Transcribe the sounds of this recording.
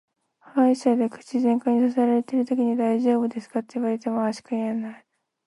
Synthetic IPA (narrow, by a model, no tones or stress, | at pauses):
hãiɕad̪e̞kɯ̟̥t͡ɕizẽ̞ŋkaɲ̟isas̬aɾaɾe̞t̪eɾɯ̟t̪o̞kʲiɲ̟id̪aiʑo̞ːbɯ̟d̪e̞sɨ̥kat̪ːeiβaɾet̪e̞moaɕi̥kaianai